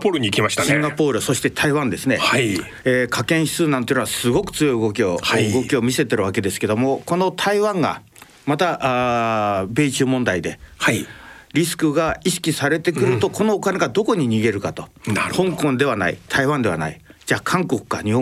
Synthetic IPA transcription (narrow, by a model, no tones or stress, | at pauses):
poɾɯɲikʲimaɕi̥t̪asĩŋɡapo̞ːɾɯ̟so̞ɕi̥t̪e̞t̪ʰaiβãnd̪e̞sɨne̞̰ai | eːkʰakẽɰ̃çi̥sɨːnãnt̪oinoasɨɡo̞kɯ̟̥t͡sɨjo̞iɯɡo̞kʲioɯɡo̞kʲio̞mʲise̞t̪e̞ɾɯ̟βake̞d̪e̞sɨ̥ke̞d̪o̞mo̞ko̞no̞t̪ʰaiβãŋɡa̰ | mat̪aʔ | be̞ːit͡ɕɨːmõ̞nd̪aid̪e̞haɾʲisɨ̥kɯ̟ɡaiɕi̥kʲisaɾe̞t̪e̞kɯ̟ɾɯ̟t̪o̞ko̞no̞ːkane̞ɡad̪o̞ko̞ɲ̟iɲ̟iɡe̞ɾɯ̟kat̪o̞hõ̞ŋkõnd̪e̞β̞ana̰ḭt̪ʰaiβãnd̪e̞βa̰na̰ḭd͡ʑaːkʰãŋko̞kɯ̟̥kaɲ̟iõ